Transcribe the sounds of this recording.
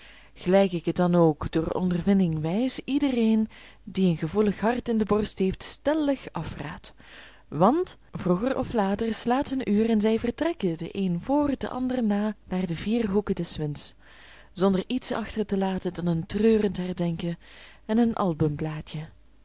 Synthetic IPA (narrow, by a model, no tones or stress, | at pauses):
ɣəlɛjkɪkədɑnoːkdoːrɔ̰ndərvɪndɪŋʋɛjsidəreːn | diənɣəvuləxɦɑrtɪndəbɔrstɦeːftstɛləxɑfra̰ːt | ʋɑnt | vruɣərɔflaːtərslaːtɦənyːrɛnzɛjvərtrɛkədə̰ʔeːnvoːrdə̰ʔɑ̰ndərənaːnaːrdəviːrɦukədɛsʋɪnts | z̥ɔndəritsɑ̰xtərtəlaːtədɑnəntrøːrəntɦɛrdɛŋkə | ɛnənʔɑ̰lˠbəmplaːtjə